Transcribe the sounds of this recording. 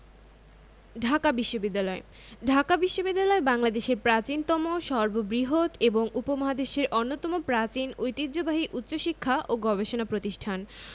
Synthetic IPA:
ɖʱakabiʃːobid̪ːalɔe | ɖʱakabiʃːobid̪ːalɔebaŋlad̪eʃeɾpɾat͡ɕint̪ɔmoʃɔɾbobɾiɦot̪eboŋupomaɦad̪eʃeɾʔonːot̪ɔmopɾat͡ɕinojt̪idʑobaɦiʔut̪ːɕoʃikʰːaʔoɡɔbeʃonapɾot̪iʃʈʰan

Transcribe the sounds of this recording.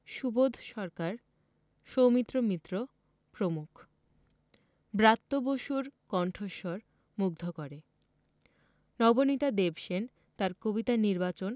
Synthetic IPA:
ʃubod̪ʱʃɔɾkaɾ | ʃowmit̪ːɾomit̪ːɾo | pɾomukʰ | bɾat̪ːoboʃuɾkɔɳʈʰoʃoɾ | muɡ̚d̪ʱokoɾe | nɔbonit̪ad̪ebʃen | t̪aɾkobit̪aniɾbat͡ɕon

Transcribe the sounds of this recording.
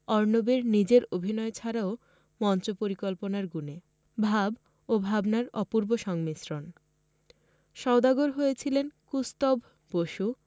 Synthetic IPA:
ɔɾnobeɾnid͡ʑeɾobʱinɔet͡ɕʰaɾao | mɔnt͡ɕopoɾikolponaɾɡune | bʱab | obʱabnaɾɔpuɾboʃɔŋmisɾon | ʃɔod̪aɡoɾɦojet͡ɕʰilenkust̪obʱ | boʃu

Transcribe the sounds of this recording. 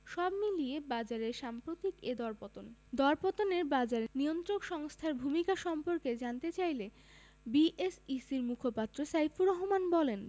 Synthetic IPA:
ʃɔbmiliebad͡ʑaɾeɾʃampɾot̪iked̪ɔɾpot̪ond̪ɔɾpot̪oneɾbad͡ʑaɾeniont̪ɾokʃɔŋst̪ʰaɾbʱumikaʃɔmpoɾked͡ʑant̪et͡ɕajle | biʔesisiɾmukʰopat̪ːɾosajfʰuɾɔɦomanbɔlen

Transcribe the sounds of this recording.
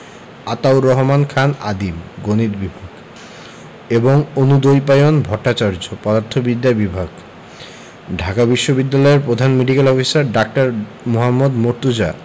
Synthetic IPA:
at̪awɾɔɦmankʰana̰d̪ibɡonid̪bibʱaɡ | eboŋonud̪ojpajonbʱɔɾʈːat͡ɕaɾd͡ʑopɔd̪aɾt̪ʰobid̪ːabibʱaɡ | ɖʱakabiʃːobid̪ːalɔeɾpɾod̪ʱanmeɖikelɔfisaɾɖak̚ʈaɾ | moɦamːod̪moɾt̪ud͡ʑa

